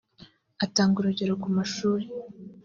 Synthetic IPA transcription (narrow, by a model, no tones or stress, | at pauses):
ataːŋɡuɾuɟeɾokumaʃuːɾe